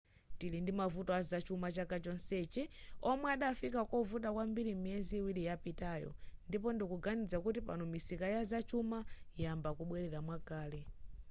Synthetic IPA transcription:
tilindimavutɔazat͡ʃumat͡ʃakat͡ʃɔnsɛt͡ʃɛɔmwɛaɗafikakɔvut̬akwambiɾimiɛziːwiɾijapitajɔ̰ndipɔndikuɡanid͡zakutipa̰nɔmisikajazat͡ʃumajambakuɓwɛɾɛɾamwakaːlɛ

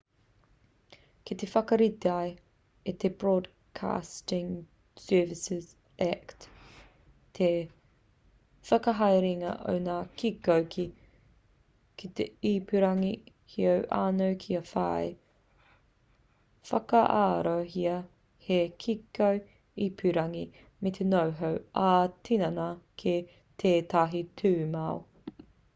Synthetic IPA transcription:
kit̪efɐkɐɾit̪eaj | it̪ʰebɹoːd | kʰa̰ːstɪŋ | sɜːvɪsɪz | ækt | t̪ʰe | fɐkɐɦɐjɾiŋɐ̰ʔo̰wnaːkikowkʰi | kʰit̪eiːpyɾɐŋi | hiowʔaːnowkʰiɐfa̰j | fɐkɐʔaːɾoɦiɐ | hekʰikow | ipʰʉɾɐŋi | met̪ʰenowɦowʔaːtʰinɐnɐkʰe | t̪ʰeːt̪ɐɦitʰʉːmɐo

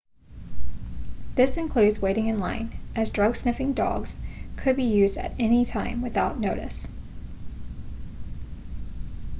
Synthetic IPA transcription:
ðɪsɨ̃nkʰl̥ʉdzweɪɾɪ̃ŋɨ̃nlã̰ɪ̃nʔɨzdɹʌɡsnɪfɪ̃ŋdɔ̰ɡz̥kʰɨd̚bijʉzdɨ̰ɾɛnitʰãɪ̃mwɨθaʊtⁿnoʊɾɨ̰s

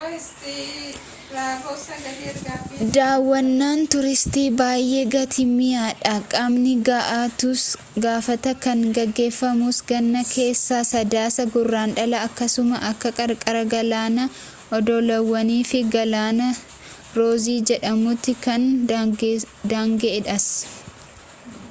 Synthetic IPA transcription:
d̪aːwːɐnːaːnt̪ʊɾɪst̪iːbaːjʔe̞ːɡɐt̪ʰɪmɪjaːᶑakʼɐmnɪɡaːʔaːt̪ʊs | ɡaːfɐt̪ɐkɐŋɡɐɡːe̞ːfːɐmʊsɡɐnːɐke̞ːsːaːsɐd̪aːsɐɡʊrːaːnᶑɐlɐːkːɐsʊmɐʔɐkːɐkʼɐɾkʼɐɾɐɡɐlaːnɐ | ʔɔd̪ɔlɐwːɐniːfɪɡɐlaːnɐ | ɾo̞ːziːd͡ʒɛᶑɐmʊt̪ːɪkɐn | d̪aːŋɡɛɛᶑɐs

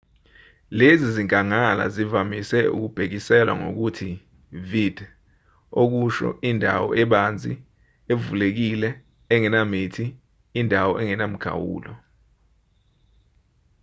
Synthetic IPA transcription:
leziziŋkʼaŋala̰zivamisɛṵk̬ub̥ʱek̬isɛlwa̰ŋo̰k̬utʰi | vid̥ | ok̬uʃɔ̰indʱa̰wɔ̰ʔɛɓand͡zʱi | evulek̬ilɛː | ŋɛnamitʰiː | ndʱawɔʔɛŋɛnam̩ɡ̥ʰʱa̰wṵːlɔ

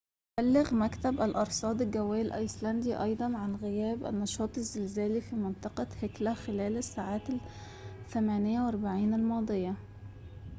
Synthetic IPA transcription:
bælːɪɣmækt̪æbælʔɑɾˤsˤɑːd̪ˤɪlɡæwːæːjlʔɑjslænd̪iːʔɑjd̪ˤɑnʕanɣɪjæːbʔæ̰nːɑʃɑːt̪ˤɪzːɪlzæːlifiːmɪnt̪ˤɑqɑheklæxɪlæːlæsːaːʕaːt̪ | θæmæːnɪjːæwʔɑɾˤbaʕiːnælmɑːd̪ˤɨjːɑ

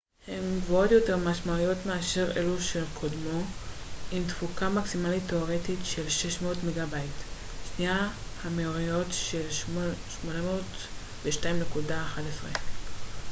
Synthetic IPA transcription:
hemvootjo̞te̞ʁmaʃmaujo̞tmeaʃeʁḛluʃe̞lkʰodmo̞ | imtfukamaksimalitːeoʁe̞titʃe̞lʃe̞ʃmo̞ːtmeɡabajit | ʃniahameoʁijo̞tʃelʃmo̞namoːt | beʃtaimnekudaːχadesʁe

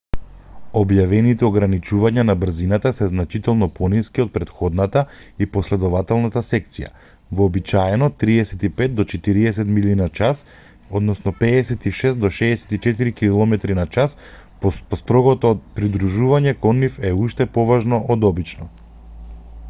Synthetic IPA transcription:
objavɛnit̪ɛoɡɾanit͡ʃuvaɲanabr̩zinat̪asɛznat͡ʃit̪ɛlˠnɔpʰɔniskiot̪̚pɾɛt̪xɔd̪nat̪aiposlɛd̪ɔvat̪ɛlˠnat̪asɛk̚t̪sija̰ | vɔːbit͡ʃaɛnɔt̪ɾiɛsɛt̪ipɛt̪̚d̪ɔt͡ʃɛt̪iɾiɛsɛt̪milinat͡ʃas | od̪nɔsnɔpɛːsɛt̪iʃɛst̪̚d̪ɔʃɛːsɛ̥t̪it͡ʃɛt̪iɾikilˠɔmɛt̪ɾinat͡ʃas | ppɔst̪ɾɔɡɔt̪ɔpɾid̪ɾuʒuvaɲɛkɔnːifɛuʃt̪ɛpɔvaʒnɔʔːd̪ɔbit͡ʃnɔ

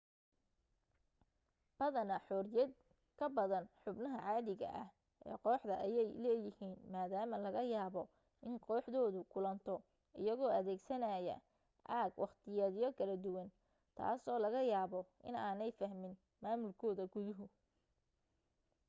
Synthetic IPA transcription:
b̥ɐðɐnɐħɔːrjɐd̪ | kʰɐbɐðɐnħʊbnɐɦɐʕaːðɪɣɐ̰ʔɐh | ʔɛ̰ːqɔːħðɐʔɐjɛjlɛːjɪhiːnmaːðaːmɐlɐɣɐjaːβɔ | ʔɪnqɔːħðɔːðʊkʰʊlɐnt̪ʰɔ | ɪ̰jɐɣɔːɐðɛːɡsɐnaːjɐ̰ | ʕaːɡwʔɑχt̪ʰɪjɐðjɔkʰɐlɐd̪ʊwɐn | t̪ʰa̰ːsɔːlɐɣɐjaːβɔʔɪ̰naːnɛjfɐhmɪn | maːmʊlkʰɔːðɐɡʊðʊɦʊ

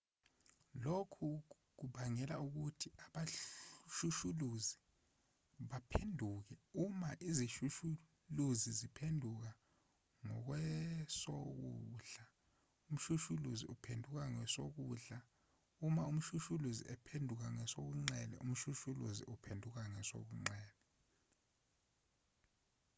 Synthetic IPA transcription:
lokʰu | k̬uɓaŋɛlauk̬utʰiʔaɓaʃuʃuluzi | ɓapʰendʱuːk̬ɛumaʔiziʃuʃu | luzizipʰendʱuk̬a | ŋɔk̬wɛsok̬ṵɮa | um̩ʃuʃuluzḭupʰendʱuk̬aŋɛsok̬uːɮa | umaum̩ʃuʃuluzḭʔɛpʰendʱuk̬aŋɛsok̬uŋ͡ǀɛlɛ̰ʔum̩ʃuʃuluzḭʔupʰendʱuk̬aŋɛso̰k̬uŋ͡ǀɛːlɛ

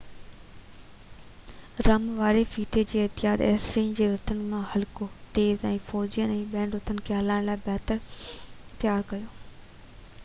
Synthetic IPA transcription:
ɾɐmʋaːɾefiːt̪ʰed͡ʑeːɪɦt̪ɪjaːd̪ɛ̰ːsɾẽːnd͡ʑeːɾʊt̪ʰənɪ̆mãhɐlkot̪eːzɛ̃ːfɔːd͡ʑijənɛ̃ːɓɛ̃ːnɾʊt̪ʰənɪ̆kʰeːɦɐlaːɪɽ̃laːɪbɛːt̪əɾ | t̪jaːɾkɐjoː

